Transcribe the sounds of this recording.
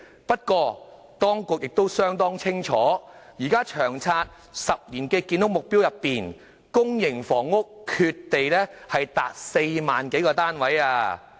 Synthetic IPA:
pɐ˥t̚kɔː˧ | t̪ɔː˥ŋkʊ˨k̚jɪ˨k̚t̪o˥wsœː˥ŋt̪ɔː˥ŋt͡sʰɪ˥ŋt͡ʃʰɔː˨˥jiː˨˩kaː˥t͡ʃʰœː˨˩ŋt͡sʰaː˧t̚ | sɐ˨p̚liː˨˩nkɛː˧kiː˧nʊ˥k̚mʊ˨k̚pi˥wjɐ˨pːiː˨n | kʊ˥ŋjɪ˨˩ŋfɔː˨˩ŋːʊ˥kʰːyː˧t̪ːe˨jlɛ˥hɐ˨jt̪a̰ː˨t̚se˧jmaː˨nke˨˥jkɔː˧t̪aː˥nwɐ˨˥jaː˧

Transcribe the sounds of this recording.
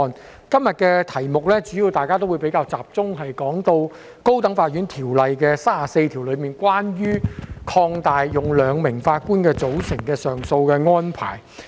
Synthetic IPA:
n | kɐ˥mjɐ˨t̚kɛː˧t̪ʰɐ˨˩jmʊ˨k̚lɛ˥t͡ʃyː˨˥jiː˧wt̪aː˨jkaː˥t̪o˥wu˨˧jpe˨˥jkaː˧wt͡saː˨p̚t͡sʊ˥ŋɦɐ˨jkɔː˨˥ŋt̪o˧w | ko˥wt̪ɐ˨˥ŋfaː˧˥t̚jyː˨˥nt̪ʰiː˨˩wlɐ˨jkɛː˧saː˥aː˨se˧jt̪ʰiː˨˩wlɵ˨˧ɥmiː˨˩nkwaː˥njyː˥kʰɔː˧ŋt̪aː˨jjʊ˨ŋlœː˨˧ŋmɪ˨˩ŋfaː˧t̚kuː˥nkɛː˧t͡so˨˥wsɪ˨˩ŋkɛː˧sœː˨ŋso˧wkɛː˧ŋɔː˥npʰa̰ː˨˩j

